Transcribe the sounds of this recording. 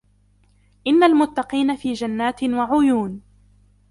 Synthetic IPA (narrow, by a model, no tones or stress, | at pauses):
ʔɪnːalmʊt̪ːɑqiːnafiːd͡ʒanːaːt̪ɪwaʕʊjuːn